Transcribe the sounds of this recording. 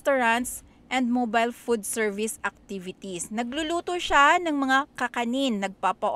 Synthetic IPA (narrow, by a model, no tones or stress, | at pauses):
t̪oɹɐnt̪s | ʔɛ̃nd̪̚mobajlfud̪̚sɛɹvɪsʔɐk̚t̪ivɪt̪isnɐɡlʊluːt̪oʃanɐŋmɐŋakɐkɐninːɐɡ̚paːpɐʔ